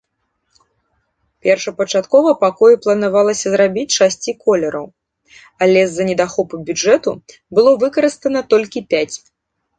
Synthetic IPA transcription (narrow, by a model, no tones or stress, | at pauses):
pʲɛrʂɐpɐt͡ʂat̪kɔvɐpakɔjɛplˠɐnavalˠɐsʲɐzɾabʲit͡sʲʂasʲt͡sʲikɔlʲɛɾʔɐ̰w | ɐlʲɛzːɐnʲɛd̪axɔpubʲud͡ʐɛt̪u | bɨlˠɔvɨkɐɾɨst̪ɐnɐt̪ɔlʲkʲipʲat͡sʲ